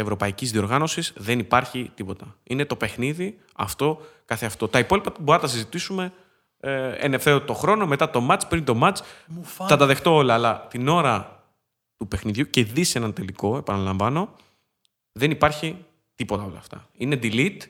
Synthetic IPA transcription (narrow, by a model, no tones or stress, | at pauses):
evɾo̞pɐicizðio̞ɾɣɐno̞sisðenipɐɾçit̪ipo̞t̪ɐine̞t̪o̞pe̞xniði | ɐ̰ft̪o̞kɐθe̞ɐft̪o̞t̪ɐipo̞lipɐboɾɐnt̪ɐsizit̪isume̞ | ḛne̞fθe̞ɾot̪o̞xɾo̞no̞me̞t̪ɐt̪o̞mɐt͡spɾint̪o̞mɐt͡sθɐt̪ɐðe̞xt̪o̞olɐːlɐt̪ino̞ɾɐ | t̪upe̞xniðʝuce̞ðisenɐnt̪e̞liko̞e̞pɐnɐlɐɱvɐno̞ | ðe̞nipɐɾçi | t̪ipo̞t̪ɐo̞lɐ̰ːft̪ɐ̰ine̞d̪ilit̪